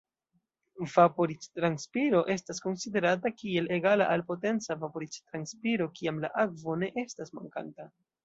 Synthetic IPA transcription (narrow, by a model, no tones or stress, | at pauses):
vapo̞ɾit͡ʃtɾanspiɾo̞ʔe̞stasko̞nside̞ɾatakie̞le̞ɡala̰ʔalpo̞te̞nt͡savapo̞ɾit͡ʃtɾanspiɾo̞kiamla̰ʔakvo̞ne̞ʔe̞stasma̰ŋka̰nta